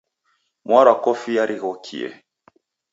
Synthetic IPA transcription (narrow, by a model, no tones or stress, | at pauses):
mwaɾakɔfijaɾʔiɣɔkʰḭɛ̰